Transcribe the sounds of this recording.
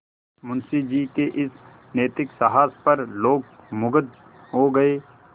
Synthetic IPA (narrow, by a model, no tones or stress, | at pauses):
mʊnsid͡ʒiːkeʔɪs | neːt̪ɪksɐɦaːspɐɾloːɡ̚mʊɡəd̪ | ɦoɡɐeː